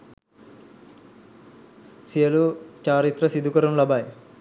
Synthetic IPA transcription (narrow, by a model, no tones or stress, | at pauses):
sijɐlut͡ʃaːɾit̪rɐsid̪ʱukɐɾɐnlɐbaːj